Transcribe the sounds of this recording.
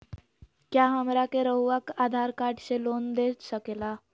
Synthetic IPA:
kjaɦəmɾakeɾəwʋakad̪ʱaɾkaʈɕelond̪et̪ɕəkela

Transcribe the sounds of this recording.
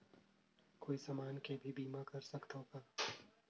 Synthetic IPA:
koːisɐmaːnkebʱibiːmakɐɾsɐkt̪ɦoːɡaː

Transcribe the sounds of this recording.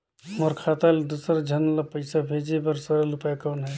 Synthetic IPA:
mɔɾkʰaːt̪ald̪usɾad͡ʒʱənlapəɪsabʱeːd͡ʒebəɾsəɾəlʊpajkɔːnɦɛː

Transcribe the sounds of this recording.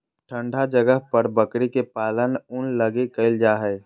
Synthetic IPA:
ʈʰəɳɖʱad͡ʒəɡəɦpəɾbəkɾikepalənunləɡekəɪld͡ʒaɦɛ

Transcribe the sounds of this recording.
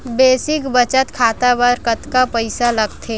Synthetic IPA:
beːsɪkbɐt͡ʃət̪kʰaːt̪abɐɾkɐt̪kapɐɪsalɐɡt̪ʰeː

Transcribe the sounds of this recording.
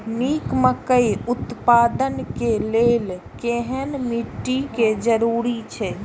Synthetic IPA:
mikməkəjut̪pad̪ənkelel | keɦənmiʈːiked͡ʒəɾuɾit͡ʃʰɛ

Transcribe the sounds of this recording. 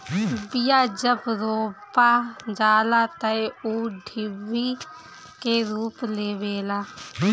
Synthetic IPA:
bɪjaːd͡ʒəbɾoːpaːd͡ʒaːlaːt̪əeuːɖʱɪʋːi | keɾuːpleːʋeːlaː

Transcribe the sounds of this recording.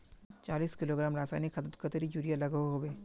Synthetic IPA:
t͡ʃaːliːskɪloːɡɾaːmɾaːsaːjnikʰːɐt̪ət̪kət̪əɾid͡ʒuːɾijalɐɡeɦoːbeː

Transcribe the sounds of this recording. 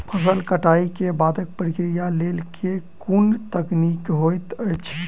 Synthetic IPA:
pʰəs̬əlkəʈaikebad̪ʱək̚pɾikɾijalelkʰekunt̪əknikɦojt̪əjt͡ʃʰ

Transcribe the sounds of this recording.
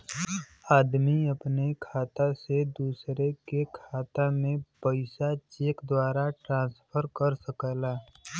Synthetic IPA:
aːd̪miɐpnekʰaːt̪ased̪uːsɾekekʰaːt̪amẽpəɪsat͡ʃeːkd̪waːɾaʈɾãːnspʰəɾkəɾsəkəlaː

